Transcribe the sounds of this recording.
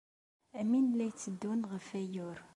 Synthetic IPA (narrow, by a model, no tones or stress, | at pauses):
æminlæjt͡sːəd̪ːunʁəfæjʊɾ